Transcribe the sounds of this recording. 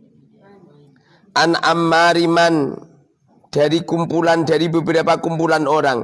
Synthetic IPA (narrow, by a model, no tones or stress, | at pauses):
ʔana̰mːaɾiman | d̥aɾikumpulandaɾibəbəɾapakumpulanoɾaŋ